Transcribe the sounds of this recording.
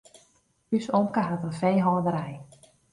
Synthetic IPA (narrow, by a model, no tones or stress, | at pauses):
ysomkəɦatənfejɦɔːdəɾɛj